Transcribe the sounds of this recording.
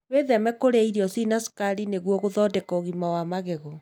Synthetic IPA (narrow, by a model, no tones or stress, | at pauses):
weðɛmɛkoɾeaiɾiɔsinasi̥kaɾineɣwɔɣoðɔːdɛkɔoɣimawamaɣeɣɔ